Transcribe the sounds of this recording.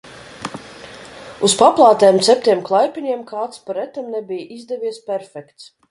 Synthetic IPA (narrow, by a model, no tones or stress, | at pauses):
uspaplˠɑːt̪ɛːmt̪sʲɛp̚ʲt̪ʲiɛmklˠajpʲiɲʲiɛmkaːt̪spaɾɛt̪amnɛbʲijʔizd̪ɛvʲiɛspʲɛɾfʲɛkt̪s